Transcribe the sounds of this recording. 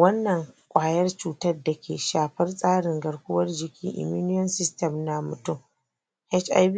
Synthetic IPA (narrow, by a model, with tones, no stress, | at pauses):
wɐ˦nːɐ˨ŋkʷʼaː˨jɐ˦rt͡ʃuː˦tɐ˦rda˨kʲḛː˨ʃaː˨ɸɐ˦rsʼaː˦ɽɪ˨ŋɡɐ˨ɽkʷʊ˦wɐ˦rd͡ʒɪ˨kʲiː˦ʔɪ̰˨muː˦nʊ˦jɔ˦nsɪ˦stɐ˨mna˦mʊ˨tʊ˦m | hɛ˦t͡ʃa̰˦b